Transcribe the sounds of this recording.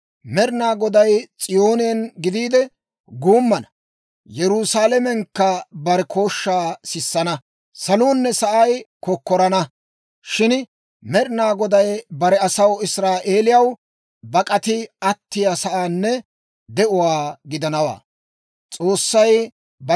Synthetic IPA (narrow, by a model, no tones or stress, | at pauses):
mɛɾnaːɡɔd̪ɐjt͡sʼɪjo̞ːnɪɐnɡɪd̪iːd̪ɛ | ɡuːmːɐnɐ | jɛɾʊsaːlɛmɛŋkːɐbɐɾɛkʰoːʃːaːsɪsːɐnɐ | sɐluːnːɛsɐʔɐjkɔkːɔɾɐnɐ | ʃɪn | mɛɾnaːɡɔd̪ɐjbɐɾɛɐsɐwɪsɾaːʔe̞ːlɪjɐw | bɐkʼɐt̪ɪɐt̪ːɪjasɐʔaːnːɛ | d̪ɛʔʊwaːɡɪd̪ɐnɐwa̰ː | t͡sʼo̞ːsːɐj | b